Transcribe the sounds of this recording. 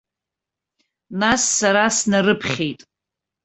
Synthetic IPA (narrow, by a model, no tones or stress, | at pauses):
nasːaɾasnarɨpʰχʲe̞jtʼ